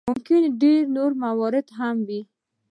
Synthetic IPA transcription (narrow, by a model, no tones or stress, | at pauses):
mʊmkɪnɖeɾnoɾmawɑɾɪd̪ɦamwi